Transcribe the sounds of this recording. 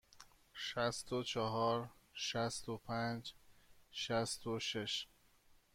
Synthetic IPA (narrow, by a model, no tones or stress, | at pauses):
ʃæst̪ot͡ʃʰɒɦɒːɾʃæst̪opʰænd͡ʒ | ʃæst̪oʃeʃ